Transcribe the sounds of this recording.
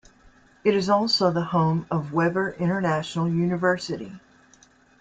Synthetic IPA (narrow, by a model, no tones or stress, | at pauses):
ɨɾɨzɔlˠsoʊðəhõʊ̃mʌvwɛvə˞ʔɪ̃ɾ̃ə˞næʃn̩l̩ˠjʉnɨvɜ˞sɨɾḭ